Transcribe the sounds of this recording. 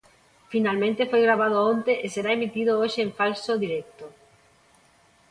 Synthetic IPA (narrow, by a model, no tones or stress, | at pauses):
finalmẽnt̪efojɣɾaβað̞oont̪eʔeseɾaemit̪iðooʃeːɱfalsoðiɾɛk̚t̪o